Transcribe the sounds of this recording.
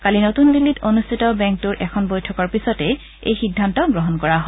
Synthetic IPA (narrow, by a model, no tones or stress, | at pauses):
kalinotunbilːitonustʰitɔbɛŋk̚tuɹʔɛkʰɔnbojtʰɔkɔɹpisɔtɛ | ḛjxidʱːantɔɡɹɔɦɔnkɔɹaɦɔ